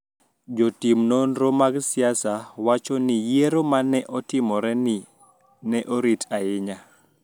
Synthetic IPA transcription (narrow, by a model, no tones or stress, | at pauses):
d͡ʒotimnonɾomaɡsɪasawat͡ʃɔnɪjeɾomanɛʔɔtɪmɔɾɛnɪ | nɛʔoɾitʰaɪɲa